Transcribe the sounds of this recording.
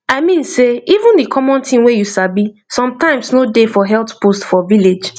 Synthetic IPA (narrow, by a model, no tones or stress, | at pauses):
aɪmĩnseivũndikʰɔmɔ̃ntĩmwejusabisɔ̃mtãɪ̃msnodefɔɦɛltpostfɔviled͡ʒ